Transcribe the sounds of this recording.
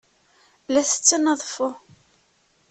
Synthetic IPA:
læθə̥t͡sːənəðˤfʊ

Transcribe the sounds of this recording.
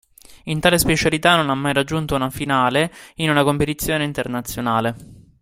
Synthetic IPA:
int̪aːlespet͡ʃalit̪anonamːajɾad͡ʒːunt̪ounafinaːleinunakompet̪it̪sːjoːneint̪ernat̪sːjonaːle

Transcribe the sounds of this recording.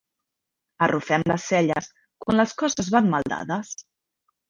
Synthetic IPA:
ərufɛmləsːɛʎəs | kwanləskɔsəzβanmalˠd̪a̰ðəs

